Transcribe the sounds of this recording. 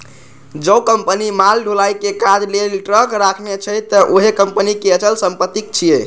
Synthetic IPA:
d͡ʒəkəmpənimalɖʱolajkekad͡ʒlelʈɾəkɾakʰmet͡ʃʰət̪əʔoɦekəmpənikeət͡ʃəlsəmpət̪ik̚t͡ʃʰie

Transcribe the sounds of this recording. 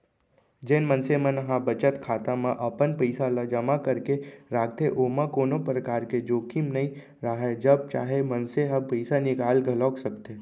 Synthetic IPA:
d͡ʒeːnmənsemə̃nəɦãbət͡ʃət̪kʰaːt̪ãmãʔəpənpəɪsalad͡ʒəmakəɾkeɾaːk̚t̪eʔomãkoːnopɾəkaːɾked͡ʒoːkimnəĩ | ɾaɦed͡ʒəb̚t͡ʃaːɦemənseɦãpəɪsanɪkaːlɡʱəlɔːksəkt̪eː

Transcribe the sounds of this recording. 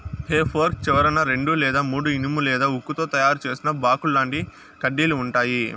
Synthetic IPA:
heːpʰɐɾk̚t͡ʃɛʋɐɾɐnɐɾe̞ɳɖulɛːd̪aːmuːɽuinimulɛːd̪aːukːut̪o̞ːt̪ɐjaːɾut͡ʃe̞ːsinɐbaːkulːaːɳʈi | kɐɖːiːluːɳʈaːji

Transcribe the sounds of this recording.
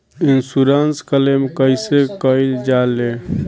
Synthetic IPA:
insuɾanskəlemkəɪsekəild͡ʒale

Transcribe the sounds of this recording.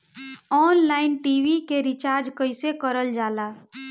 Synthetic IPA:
ɔːnlaːɪnʈiːʋikeɾɪt͡ʃaːɾd͡ʒkəɪsekəɾəld͡ʒaːlaː

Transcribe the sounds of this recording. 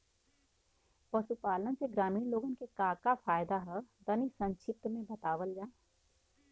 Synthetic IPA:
pɐsupaːlənseɡɾaːmiːnloːɡənkekaːkafʰaːjd̪aɦəd̪ɐnisɐ̃nʃɪp̚t̪mẽbɐt̪aːʋəld͡ʒaː

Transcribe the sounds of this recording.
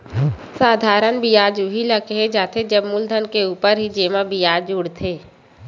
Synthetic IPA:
saːd̪ʱaːɾənbijaːd͡ʒuɦiləkeɦed͡ʒaːt̪ʰed͡ʒəbmʊld̪ʱənkeuːpəɾɦid͡ʒeːmabijaːd͡ʒuɽt̪ʰeː

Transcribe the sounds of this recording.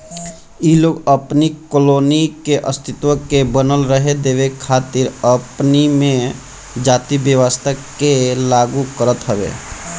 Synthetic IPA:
iloːɡəpnikoloːnikeʔəst̪ʰɪt̪wəkebənəlɾəɦed̪eːʋekʰaːt̪ɪɾəpnimẽ | d͡ʒaːt̪ibjəʋəst̪ʰə | elaːɡukəɾət̪ɦəbḛ

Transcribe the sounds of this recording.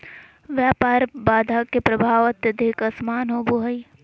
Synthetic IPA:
ʋjaːpaːɾbaːd̪ʱaːkepɾɐbʱaːʋɐt̪jɐd̪ʱɪkɐsmaːnɦobuɦɐi

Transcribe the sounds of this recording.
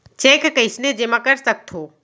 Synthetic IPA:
t͡ʃeːkkəɪsned͡ʒemãkɐɾsɐk̚t̪ʰoː

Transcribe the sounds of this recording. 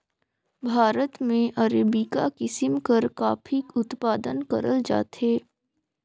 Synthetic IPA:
bʱaːɾət̪mẽʔɐɾeːbikakɪsɪmkɐɾkaːpʰikʊt̪paːd̪ənkɐɾəld͡ʒa̰ːt̪ɦeː

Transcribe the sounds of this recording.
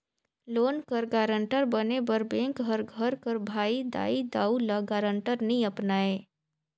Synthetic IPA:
loːnkəɾɡaːɾə̃ɳʈəɾbənebəɾbẽːŋkɦəɾɡʱəɾkəɾbʱaːid̪a̰ːid̪aːulaɡaːɾə̃ɳʈəɾnəĩəpnaːeː

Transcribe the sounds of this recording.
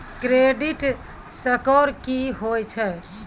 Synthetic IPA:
kɾeɖiʈ | səkɔɾkiɦojt͡ʃʰɛ

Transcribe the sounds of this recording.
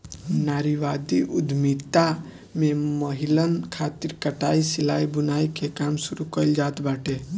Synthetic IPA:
naɾiʋad̪iʔud̪ʱmit̪a | meməɦilənkʰat̪iɾkəʈaisilaibunaikekamsuɾukəɪld͡ʒat̪baʈe

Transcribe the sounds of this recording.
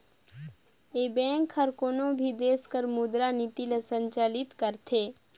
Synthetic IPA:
ebɛ̃ːŋkʰhəɾkoːnõbʱid̪eːskəɾmʊd̪ɾanit̪ilasə̃ɲt͡ʃaːlɪt̪kəɾt̪ʰeː

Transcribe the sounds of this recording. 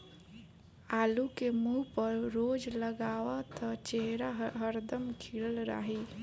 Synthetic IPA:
alukemuɦpəɾɾod͡ʒləɡaʋat̪ət͡ʃeɦɾaɦəɾd̪əmkʰiɽəlɾa̰ɦi

